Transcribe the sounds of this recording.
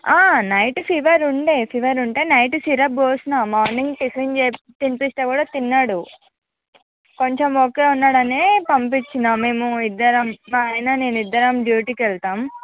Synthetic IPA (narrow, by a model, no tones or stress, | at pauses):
aːnɐjʈpʰiʋɐɾuɳɖeːpʰiʋɐɾuɳʈe̞ːnɐjʈsiɾɐboːsnamaːɾniŋɡt̪isiŋd͡ʒeː | t̪inpisʈ̪eːkuːɽaːt̪inːaːɽu | ko̞ɲt͡ʃemoke̞ːunːaːɽɐneːpɐmpit͡ʃːinaːmːe̞ːmuid̪ːɐɾɐmːaɐjnane̞ːnid̪ːɐɾɐmɖjuːʈiːkʋɛɭt̪aːm